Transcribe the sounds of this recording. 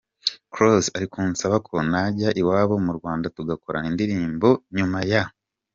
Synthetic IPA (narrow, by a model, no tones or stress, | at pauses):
kɾosaɾikuːnsaβakʰo̞naɟaʔiwaːβo̞muɾɡwaːndatuɡakoɾa̰nindiɾiːmbo̞ɲumaja